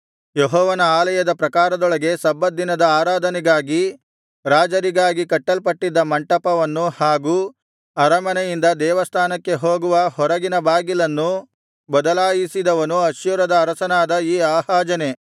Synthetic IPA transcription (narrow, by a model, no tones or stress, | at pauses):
jeɦɔːʋɐnɐaːlɐjɐd̪ɐpɾɐkaːɾɐd̪ɔɭɐɡe̞sɐbːɐd̪ːinɐd̪ɐaːɾaːd̪ʱɐnɛɡaːɡi | ɾaːd͡ʒɐɾiɡaːɡikɐʈːɐlpɐʈːid̪ːɐmɐɳʈɐpɐʋɐnːuhaːɡuː | ɐɾɐmɐnɐjind̪ɐd̪ɛːʋɐst̪ʰaːnɐkːe̞ɦoːɡuʋɐhɔɾɐɡinɐbaːɡilɐnːu | bɐd̪ɐlaːjisid̪ɐʋɐnuɐʃjuɾɐd̪ɐːɾɐsɐnaːd̪ɐiːaːhaːd͡ʒɐne̞